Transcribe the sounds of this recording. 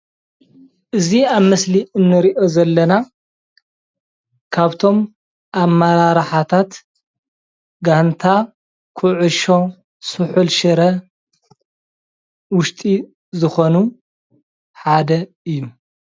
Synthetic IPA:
ʔɨziaβmɐsliɨnːɨɾiʔo̞zɐlːɐna | kʰaβt̪ʰo̞m | ʔamːaɾaɾħat̪ʰat̪ | ɡant̪ʰa | kʰuʕʊʃo̞ | sɨħulʃɨɾɐ | wʊʃt̪ʼi | zɨxo̞nu | ħad̪ɐ | ɨjːu

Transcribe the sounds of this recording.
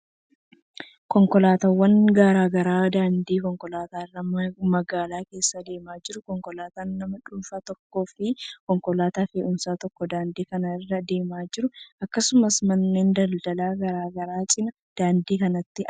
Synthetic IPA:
kɔŋkɔlaːt̪awːɐŋɡaːɾaːɡɐɾaːd̪aːnd̪iːkɔŋkɔlaːt̪aːɪrːɐmɐɡaːlaːke̞ːsːɐd̪e̞ːmaːd͡ʒɪɾʊkɔŋkɔlaːt̪aːnːɐmɐᶑuːfɐt̪ɔkːo̞ːfɪkɔŋkɔlaːt̪aːfeːʔʊmsaːt̪ɔkːɔd̪aːnd̪iːkɐnɐɪrːɐd̪e̞ːmaːd͡ʒɪɾʊʔɐkːɐsʊmɐsmɐnːeːnd̪ɐld̪ɐlaːɡɐɾaːɡɐɾaːt͡ʃʼɪnɐ | d̪̥aːnd̪iːkɐnɐt̪ːɪ

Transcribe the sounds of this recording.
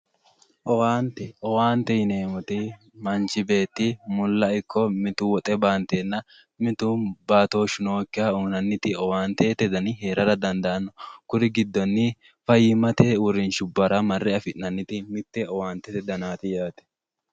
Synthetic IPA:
ʔɔwaːnt̪ɛʔɔwaːnt̪ɛjɪneːmʊt̪ɪ | mɐnt͡ʃɪbe̞ːt̪ːɪmʊlːɐɪkʰːɔmɪt̪ʊwɔt̪ʼɛbaːnt̪eːnːɐ | mɪt̪ubaːt̪o̞ːʃʊnoːkːɪɐuːnɐnːɪt̪ɪɔwaːnt̪eːt̪ɛd̪ɐnɪhe̞ːɾɐɾɐd̪ɐnd̪ɐːnːɔkʊɾɪɡɪd̪ːɔnːɪ | fɐjɪmɐt̪eːʊɾɪnʃʊbːɐɾɐmɐrːɛɐfɪʔnɐnːɪt̪ɪmɪt̪ːɛɔwaːnt̪ɛt̪ɛd̪ɐnaːt̪ɪjaːt̪ɛ̥

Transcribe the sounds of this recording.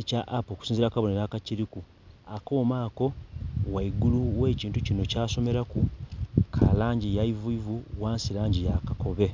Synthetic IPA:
ecaʔapoku̥siːnziɾakaβo̞neɾakaciɾiku | ako̞ːmaːko̞waiɡuluwe̞ːciːntucino̞caːso̞me̞ɾakukʰalaːɲɟijaivuivuwaːnsilaːɲɟijakako̞βe̞

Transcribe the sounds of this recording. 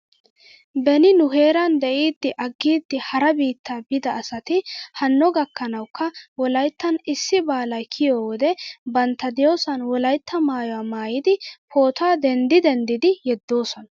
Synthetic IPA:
bɛnɪnʊɦe̞ːɾɐnd̪ɛʔiːd̪ːɪʔɐɡːiːd̪ːɪhɐɾɐbiːt̪ʰːaːbɪd̪ɐːsɐt̪ɪhɐnːɔɡɐkːɐnɐwkʰːɐwɔlɐjt̪ːɐnɪsːɪbaːlɐjkʰɪjoːwɔd̪ɛbɐnt̪ːɐd̪ɪjoːsɐnwɔlɐjt̪ːɐmaːjɔwaːmaːjɪd̪ɪpʰo̞ːt̪aːd̪ɛnd̪ɪd̪ɛnd̪ɪd̪ɪjɛd̪ːo̞ːsɔnɐ

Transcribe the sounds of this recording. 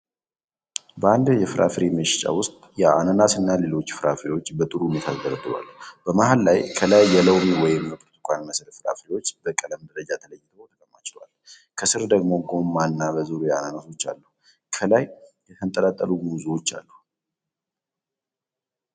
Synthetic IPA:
bəand̪jɛfɨɾʔa̰fɾiməʃɪ̥t͡ʃʼa̰wʊst̪ʼjɛa̰nanasɨnːale̞lo̞t͡ʃːfɨɾafɾiwo̞t͡ʃːbət̪ʼɨɾuhnet̪ʰat̪ɡ̪əɾəd̪ɨβa̰lːubəmahallajkʰəlajːɛləwmwɔjɪməkʼt̪ʰu̥kʷʼanməsəɾəfɨɾa̰fɾiwo̞t͡ʃːbəkʼələmd̪əɾəd͡ʒat̪ʰələjːɪt̪ʰət̪ʰəkʼəmːat͡ʃɪ̥lwa̰l | kʰəsɨɾd̪əɡmo̞ɡo̞manːabəzɨɾujɛananaso̞t͡ʃːa̰lːuh | kʰəlajjɛt̪ʰənt̪ʼəlat̪ʼːəlumuzuwo̞t͡ʃːa̰lːuh

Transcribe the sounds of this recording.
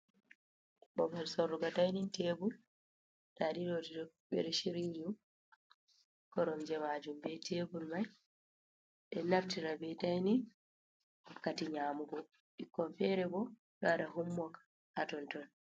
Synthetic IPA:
ɓɔmalsɔɾːuɡatajninteːbul | ɗaɗiɾodidɔɓɛ̰ɾɛʃiɾiɲd͡ʒu | kɔɾɔmd͡ʒɛmad͡ʒumbɛtʰebulmaj | ɗɛnaftiɾabɛtajnin | hɔkːatiɲaːmuɡɔ | ɗikːɔnfɛɾɛbɔ | ɡaɗaɦumːɔkḁ | atɔntɔn

